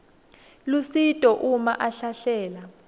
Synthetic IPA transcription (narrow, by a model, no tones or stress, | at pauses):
lusitʼɔʔumaʔaɬaɬɛːla